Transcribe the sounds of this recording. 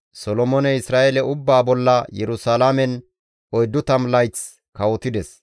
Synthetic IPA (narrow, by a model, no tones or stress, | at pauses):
sɔlɔmɔnɛɪsɾaːʔɛlɛʊbːaːbɔlːɐjɛɾʊsaːlamɛn | ɔjd̪ːʊt̪ɐmlɐjt͡s | kɐwɔt̪ɪd̪ɛs